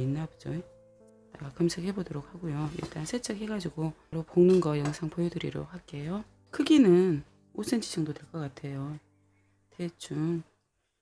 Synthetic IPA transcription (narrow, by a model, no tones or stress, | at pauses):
inːabd͡ʑo | naɡakɯmsʰɯkhe̞bodoɾok̚haɡojoḭɭt͈ansʰet͡ɕ͈ʰʌk̚he̞ɡad͡ʑiɡoɾoponɯnɡʌjʌŋsʰaŋpojudɯɾḭɾo̰hak͈e̞jo | kʰɯɡinɯn | osʰɯnt͡ɕʰi̥t͡ɕʰʌŋdotwe̞ɭk͈ʌk͈atʰe̞jo | tʰet͡ɕ͈uŋ